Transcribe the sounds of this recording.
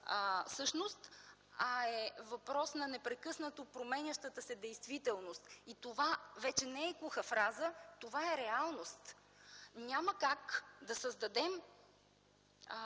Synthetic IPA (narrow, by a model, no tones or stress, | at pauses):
fsɤʃnost̪ | ɐɛvɐpɾɔsnɐnɛpɾɛkɤsnət̪opɾomɛnʲɐʃt̪ət̪əsɛd̪ɛjst̪vit̪ɛlˠnost̪it̪ovavɛt͡ʃɛnɛɛkuxəfɾazət̪ovaɛɾɛalˠnost̪ | nʲaməkakd̪ɐsəzd̪ɐd̪ɛm